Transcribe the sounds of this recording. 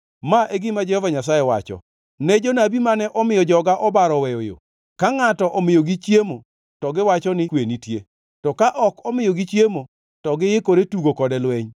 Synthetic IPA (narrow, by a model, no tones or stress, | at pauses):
maʔeɡɪmad͡ʒɛhɔvaɲasajɛwa̰t͡ʃɔ̰ | nɛd͡ʒonabimanɛʔɔmɪjɔd͡ʒɔɡaʔɔbaɾɔwɛjojo̰ | kaŋatɔʔɔmɪjoɡit͡ʃjemo | tɔɡɪwat͡ʃɔnɪkwenitje | tɔkaʔɔkɔmɪjoɡit͡ʃjemo | tɔɡɪjɪkoɾetuɡokɔdɛlwɛɲ